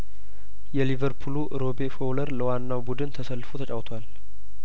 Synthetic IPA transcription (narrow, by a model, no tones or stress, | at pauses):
jɛlivəɾpʰuluʔɾo̞befowləɾləwanːawbud̪ɨnt̪ʰəsəlːfut̪ʰət͡ʃʼawt̪ʰowal